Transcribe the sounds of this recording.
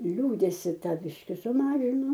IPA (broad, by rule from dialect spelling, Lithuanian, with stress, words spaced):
ˈlʲuːdʲɛsʲɪ ˈtɐ ˈbʲɪʃʲkʲɪ sʊˈmɑːʒʲɪnʊ